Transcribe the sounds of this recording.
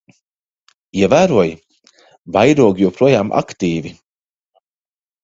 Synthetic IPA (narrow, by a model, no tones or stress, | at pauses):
iɛvæːɾuɔj | bajɾuɔɡjɛwpɾuɔjaːmʔa̰kt̪iːvi